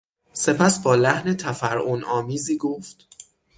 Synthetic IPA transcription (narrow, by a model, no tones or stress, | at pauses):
se̞pʰæsbɒːlæhne̞t̪ʰæfæɾʔonʔɒːmiːziːɡoːft̪